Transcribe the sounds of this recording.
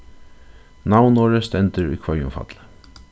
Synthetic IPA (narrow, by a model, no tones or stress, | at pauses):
nawnoːɹəst̪ɛnt̪əɾṵjkʰvœjʊ̰mfa̰t̪lə